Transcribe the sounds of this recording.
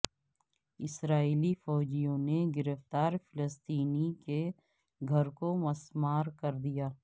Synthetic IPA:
ɪsɾaːiːlifɔːd͡ʒijõneɡɪɾəft̪aːɾfɪləst̪iːnike | ɡʱɐɾkomɐsmaːɾkɐɾd̪ijaː

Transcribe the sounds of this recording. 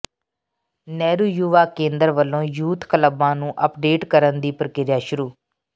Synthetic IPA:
nɛːɾuːjuːʋaːkẽːnd̪əɾʋəlːõːjuːt̪kələbãːnũːʔəpɖeːʈkəɾənd̪iːpəɾəkɪɾjaːʃʊɾuː

